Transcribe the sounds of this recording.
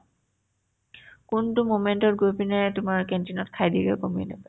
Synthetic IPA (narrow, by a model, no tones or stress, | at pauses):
kuntʊmomentɔtɡojpinɛtʊmaɹkɛntinɔtkʰajdikɛkomiɛ̰nɛ̰pa